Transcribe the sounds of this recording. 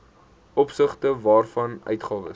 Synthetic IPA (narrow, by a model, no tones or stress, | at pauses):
ʔɔpsəχtəvɑːrfɐnœ̰ɥtχɑːvə̰